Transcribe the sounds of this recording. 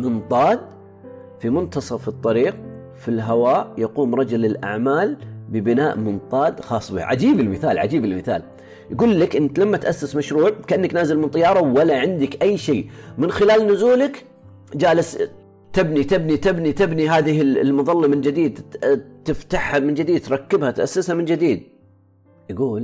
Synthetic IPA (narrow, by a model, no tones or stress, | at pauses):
mɪnt̪ˤɑːd̪̚ | fimʊnt̪ɑsˤɑfɨt̪ˤːɑɾiːq̚ | filɦawaːjɑquːmɾˤɑd͡ʒʊlɪlʔa̰ʕmaːlbɪbɪnaːʔmʊnt̪ˤɑːd̪xɑːsˤbɪ̰ha̰ʕad͡ʒiːbɪlmɪθaːlʕa̰d͡ʒiːbɪlmɪθa̰ːl | jɡuːlːakʔɪnːt̪lamːat̪ʔasːɪsmaʃɾuːʕkaʔanːaknaːzɪlmɪnt̪ˤɑjɑːɾˤɑwalaʕɪnd̪ɪkʔajːʃeːmɪnxɪlaːlnʊzuːlɪk | d͡ʒaːlɪs | t̪ɪbnit̪ɪbnit̪ɪbnit̪ɪbniɦaːðɪɦɪlmʊðˤɑlːɑmɪnd͡ʒɪd̪iːd̪t̪ɪft̪aħhamɪnd͡ʒɪd̪iːd̪̚t̪ɾˤɑkːɪbhat̪ʔa̰sːɪshamɪnd͡ʒɪd̪iːd̪̚ | jɡuːl